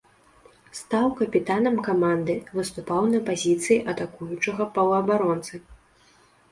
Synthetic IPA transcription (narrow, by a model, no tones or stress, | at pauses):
st̪awkɐpʲit̪anɐmkamand̪ɨvɨst̪upawnɐpazʲit̪sɨjiʔɐt̪akujut͡ʂɐɣɐpɐwɐbaɾɔnt̪sɨ